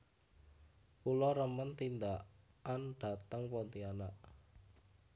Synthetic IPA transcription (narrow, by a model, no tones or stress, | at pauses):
pulɔɾəmənt̪ind̪a | anɖ̥a̤t̪əŋpɔnt̪ianaʔ